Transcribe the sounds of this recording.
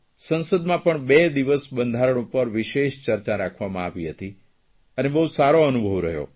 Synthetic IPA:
sənsəd̪mãpəɳbed̪iʋəsbənd̪ʱaɾəɳ̃upəɾʋɪʃeʃt͡ʃəɾt͡ʃaɾakʰʋamãaʋiɦət̪i | ənebəɦusaɾoənubʱəʋɾə̰ɦjo̰

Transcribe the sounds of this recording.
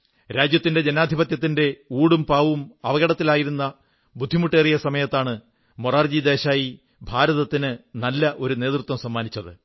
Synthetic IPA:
ɾaːd͡ʑjɐt̪ːinde̞d͡ʑenaːd̪ʱibɐt̪jɐt̪ːinde̞uːɽumpaːʋumɐʋɐɣɐɽɐt̪ːilaːjiɾunːɐ | bud̪ʱːimuʈːe̞ːrijɐsɐmɐjɐt̪ːaːɳɨ | moraːrd͡ʑid̪e̞ːɕaːji | bʱaːɾɐðɐt̪ːinɨnɐlːɐʔo̞ɾune̞ːt̪rut̪ːwɐmsɐmːaːnit͡ɕːɐðɨ

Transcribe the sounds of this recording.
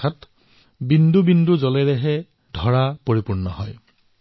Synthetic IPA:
at | bindubinduzɔlɛɹɛɦɛ | dʱɔɹapoɹipuɹnɔɦɔj

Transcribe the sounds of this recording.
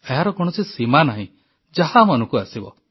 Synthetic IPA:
eɦaɾɔkɔɽ̃ɔsisimanaɦḭ̃ | d͡ʒaɦamanũkuasibɔ̰

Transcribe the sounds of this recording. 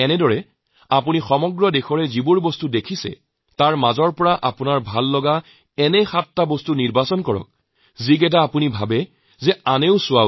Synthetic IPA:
ɛnɛdɔɹɛ | apunixɔmɔɡɹɔdexɔɹɛzibuɹbɔstudekʰisɛ̰ | taɹmazɔɹpɔɹaʔapunaɹbʱalːɔɡa | ɛnɛxatːabɔstuniɹbasɔnkɔɹɔ̰k̚ | ziɡɛt̬aːpunibʱabɛ | zɛaneʊsʊwa

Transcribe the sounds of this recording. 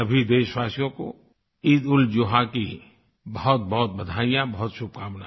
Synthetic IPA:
ɐbʱid̪eːʃwaːsjõko̰ | id̪ʊld͡ʒoːɦaki | bɐɦʊt̪̚bɔɦʊt̪̚bɐd̪ʱaːijãbɐɦʊt̪ʃʊb̚kaːmna

